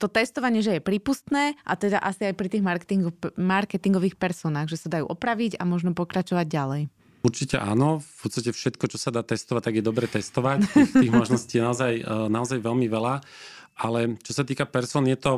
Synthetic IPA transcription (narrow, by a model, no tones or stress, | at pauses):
t̪ɔt̪ɛst̪ɔʋaɲɪɛʒɛjɛpɾiːpust̪nɛːʔa̰t̪ɛd̪aʔasiajpɾit̪iːɣmaɾkt̪iŋɡmaɾkɛt̪iŋɡɔʋiːxpɛɾsɔːnaːɣʒɛsad̪ajṵːʔɔpɾaʋiɟa̰mɔʒnɔpɔkɾat͡ʃɔʋaɟ̚ɟalɛj | uɾt͡ʃicɛ̰ʔa̰ːnɔfut͡s̪icɛfʃɛt̪kɔt͡ʃɔsad̪aːt̪ɛst̪ɔʋac̚t̪aɡjɛd̪ɔbɾɛːt̪ɛst̪ɔʋact̪ixt̪iːɣmɔʒnɔsciːjɛnaɔzajnaɔzajʋɛlmiʋɛlaalɛt͡ʃɔsat̪iːkapɛɾsɔːnjɛt̪ɔ